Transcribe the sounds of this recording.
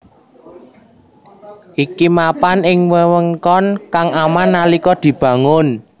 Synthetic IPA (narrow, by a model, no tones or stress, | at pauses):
ʔikimapanɪŋwəwəŋkɔnkaŋamanːalikɔd̪̥i̤b̥ä̤ŋʊn